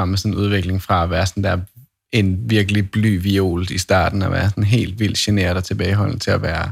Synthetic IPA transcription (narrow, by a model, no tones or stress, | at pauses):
ɑmesɒ̽n̩uð̞ˠʋeɡ̥le̝ŋfʁɑ̈æʋæːɐsɒnd̥æɐ̰ | enʋiɐɡ̥əlib̥ly̰ːʋio̝̰ːld̥isd̥ɑ̰̈ːd̥n̩ɒʋæːɐsɒ̽nɦe̝̰ːld̥ʋil̰d̥ɕene̝̰ːɐdˠɒt͡sʰe̝b̥ɛːɪɦɒ̽l̰n̩t͡sʰe̝læʋæːɐ